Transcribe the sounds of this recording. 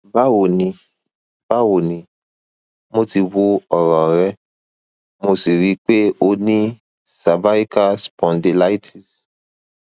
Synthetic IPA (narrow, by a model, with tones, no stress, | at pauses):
ba˦wo˨nĩ˧ | ba˦wo˨nĩ˧ | mo˧ti˧wo˧˦ɔ˨ɾɔ̃˨ɾɛ˦ | mo˧si˨ɾi˨˦k͡pe˦o˧nĩ˦ | sa˨ba˦i˦ka˦spɔ̃˨nde˧la˦i˦tʰi˨s